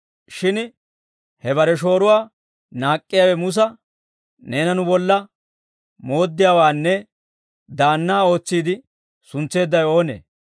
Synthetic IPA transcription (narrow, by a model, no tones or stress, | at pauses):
ʃɪn | hɛbɐɾɛʃ̬o̞ːɾʊwaː | naːkʼːɪjaːwɛmʊs̬ɐ | neːnɐnʊbɔlːɐ | mo̞ːd̪ːɪjaːwaːnːɛ | d̪aːnːaːo̞ːt͡sːiːd̪ɪ | sʊnt͡sːe̞ːd̪ːɐjo̞ːnḛː